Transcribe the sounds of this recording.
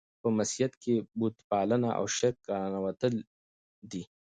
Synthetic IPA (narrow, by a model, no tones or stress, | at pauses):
pəmɐsijɐt̪kebut̪pɑːlənaʔa̰wʃekɡanawɐt̪əl | d̪i